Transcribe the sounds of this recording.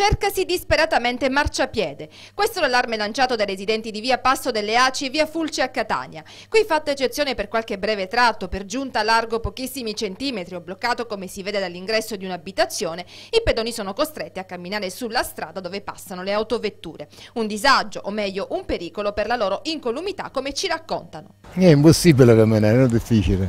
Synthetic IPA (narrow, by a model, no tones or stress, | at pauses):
t͡ʃerkasid̪ispeɾat̪ament̪emart͡ʃapːjɛːd̪e | kwest̪olalːarmelant͡ʃaːt̪od̪ajɾezid̪ɛnt̪id̪iviːapasːod̪elːeaːt͡ʃiviːafult͡ʃeakːat̪a̰ːɲja | kwifat̪ːaet͡ʃːet̪sjoːneperkwalk̟ebɾɛːvet̪ɾat̪ːoperd͡ʒunt̪alːarɡopokisːimit͡ʃent̪iːmet̪ɾioblokːaːt̪okomesiveːd̪ed̪alːiŋɡɾɛsːod̪iunabit̪at̪sːjoːne | iped̪oːnisoːnokost̪ɾet̪ːiakːamːinaːɾesulːast̪ɾa̰ːd̪ad̪oːvepa̰sːanoleawt̪ovet̪ːṵːɾeund̪izad͡ʒːoʔomːɛʎːoʔumpeɾiːkoloperlaloːɾoʔiŋkolumit̪a̰kːomet͡ʃiɾakːo̰nt̪ano | ɛimposːibilekemːenɛnod̪ifːiːt͡ʃile